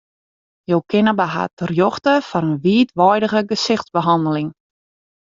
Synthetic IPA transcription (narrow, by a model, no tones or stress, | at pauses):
jowkɪnəbaɦa̰tərjɔxtəfɔnənʋiːtʋɔjdəɣəɡəsɪxtzbəɦɑndəlɪŋ